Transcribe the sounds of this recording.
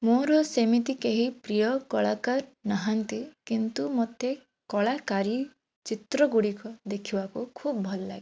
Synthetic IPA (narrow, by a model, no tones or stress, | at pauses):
moɾɔsemit̪ikeɦipɾijɔkɔɭakaɾnaɦant̪ikint̪umɔt̪e | kɔɭakaɾi | t͡ʃit̪ɾɔɡuɽikɔd̪ekʰibakukʰubbʱɔlɔla̰ɡi